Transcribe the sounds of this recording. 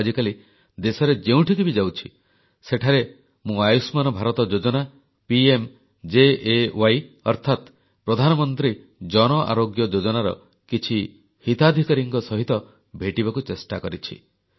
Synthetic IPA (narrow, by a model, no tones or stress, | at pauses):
d͡ʒikali | d̪esɔɾed͡ʒeũʈʰikibid͡ʒawt͡ʃʰi | seʈʰaɾe | mũajusmanɔbʱaɾɔt̪ɔd͡ʒod͡ʒɔna | piem | d͡ʒeewaj | ɔ̰ɾt̪ʰat̪ | pɾɔd̪ʱanɔmɔnt̪ɾi | d͡ʒɔñɔʔa̰ɾoɡjɔd͡ʒod͡ʒɔnaɾɔ̰ | kit͡ʃʰi | hit̪ad̪ʱikaɾiŋkɔsɔɦit̪ɔ | bʱeʈibakut͡ʃesʈakɔɾit͡ʃʰḭ